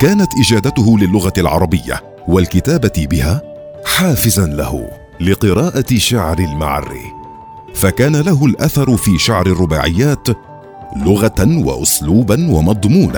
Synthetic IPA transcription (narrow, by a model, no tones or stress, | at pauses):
kaːnat̪ʔɪd͡ʒaːd̪at̪ʊɦʊlɪlːʊɣalʕɑ̰ɾˤɑbɪjːa̰ | walkɪt̪aːbatɪbɪhaː | ħaːfɪzanla̰hʊ̰ | lɪqɨɾɑːʔaʃaʕɾɪlma̰ʕa̰rːḭ | fakaːnalaɦʊlʔaθɑɾˤʊfiːʃaʕɾɪrˤːʊba̰ːʕɪ̰jːaːt̪ | lʊɣawa̰ʔʊsluːbanwamɑd̪ˤmuːna